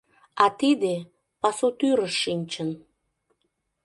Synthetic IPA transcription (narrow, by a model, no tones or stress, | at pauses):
ɑt̪id̪e | pɑsut̪yɾəʃːinʲt͡ɕən